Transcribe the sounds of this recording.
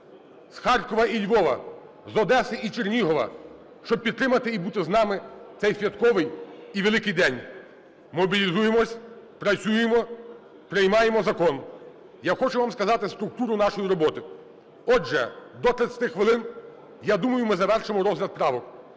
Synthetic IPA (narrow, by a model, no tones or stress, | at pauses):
sxɑrkɔʋɐʔilʲʋɔʋɐ̰ | zɔd̪ɛsɪʔit͡ʃernʲiɦɔʋɐ̰ | ʃt͡ʃɔb̚pʲit̪t̪ːɾɪmɐt̪ɪibut̪ɪznɑmɪt̪sɛjsʲʋʲjɐt̪kɔʋɪjiʋelˠɪkɪjd̪ɛnʲ | mɔbʲilʲizujemɔsʲ | pɾɐt͡sʲujemɔ | pɾɪjmɑjemɔzɐkɔn | jaxɔt͡ʃʊʋɑmskɐzɑt̪ɪst̪ɾʊk̚t̪uɾʊnɑʃɔjiɾɔbɔt̪ɪ | ɔd͡ʒɛ̰d̪ɔt̪ɾɪt̪sʲɐt̪ɪxʋelˠɪn | jad̪umɐjʊmɪzɐʋɛrʃɪmɔɾɔzlʲɐd̪̚pɾɑʋɔk